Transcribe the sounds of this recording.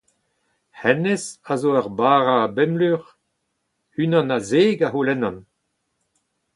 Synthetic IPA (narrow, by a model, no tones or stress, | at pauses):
hɛnesazoːaʁbaːʁaːbɛmlyʁ | ynɑ̃nazeːɡaɦulɛnɑ̃n